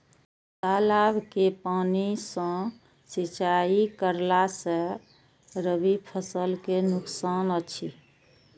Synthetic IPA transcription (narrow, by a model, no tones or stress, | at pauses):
t̪alabkepanisə̃ | sit͡ʃaikəɾlasə̃ | ɾəbipʰəsəlkenʊksanət͡ʃʰi